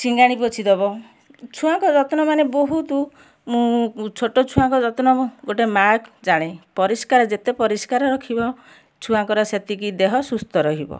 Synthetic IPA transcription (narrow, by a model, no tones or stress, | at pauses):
t͡ʃiŋɡaɽ̃ipot͡ʃʰid̪ɔbɔ | t͡ʃʰũaŋkɔd͡ʒɔt̪ɔnɔmaneboɦut̪u | mũt͡ʃʰoʈot͡ʃʰũaŋkɔd͡ʒɔt̪nɔɡoʈemakʰd͡ʒaɽ̃epɔɾiskaɾɔd͡ʒet̪epɔɾiskaɾɔɾɔkʰibɔ | t͡ʃʰũaŋkɔɾɔset̪ikid̪eɦɔsust̪ɔɾɔɦibɔ̰